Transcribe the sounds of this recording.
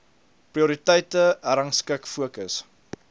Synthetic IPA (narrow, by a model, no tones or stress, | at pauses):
priuɾitɛjtəæɾɐŋskəkfuəkəs